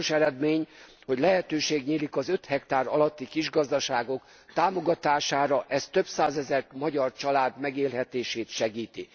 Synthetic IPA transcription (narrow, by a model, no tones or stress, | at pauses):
oʃɛɾɛd̪meːɲ | ho̞ɟlɛɦɛt̪øːʃeːɡɲiːlikɒzø̞t̪hɛkt̪aːɾɒ̰lɒt̪ːikiʒɡɒzd̪ɒʃaːɡo̞k | t̪aːmo̞ɡɒt̪aːʃaːɾɒʔɛst̪ø̞bsaːzɛzɛrt̪mɒɟɒrt͡ʃɒlaːd̪mɛɡeːlɦɛt̪eːʃeːt̪ʃɛɡiːt̪i